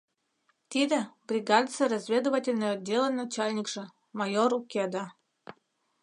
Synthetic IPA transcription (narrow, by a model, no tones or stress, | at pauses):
t̪id̪ĕbrʲiɡɑd̪t͡serɑzʲvʲed̪ovatʲelʲnəjadʲːelʲənːat͡ɕɑlʲnʲikʒ̥ĕ | mɑjoɾukʲɑd̪ɑ